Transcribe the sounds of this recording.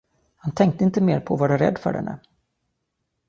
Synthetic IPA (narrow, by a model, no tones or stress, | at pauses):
hant̪ʰɛŋk̚t̪əɪnt̪əmeːɾpʰɔvaɖɵɾɛ̰d̪ːfœ̰ɖɛ̰nːə̰